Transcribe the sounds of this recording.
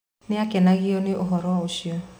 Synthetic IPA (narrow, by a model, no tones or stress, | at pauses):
nɪakɛnaɣɪɔnɪʔoɦɔɾɔoʃiɔ